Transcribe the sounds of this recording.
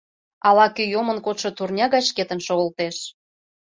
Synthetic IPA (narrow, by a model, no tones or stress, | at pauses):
ɑlɑkyjomə̆nkot̪ʃɤ̆t̪urnʲɑɣɑjʃket̪ə̆nʃoɣəlt̪eʃ